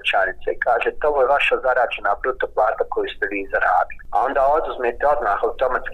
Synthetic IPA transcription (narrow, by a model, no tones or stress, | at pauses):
t͡ʃanit̪seikaːʒeːt̪o̞ʋojeʋaʃazaɾaːd͡ʒenabɾut̪oplˠaːt̪ako̞just̪ɛʋiːzaɾa̰ːd̪ilia̰o̞nd̪aːod̪uzmeːt̪ɛo̞d̪maːhawt̪o̞mat̪sk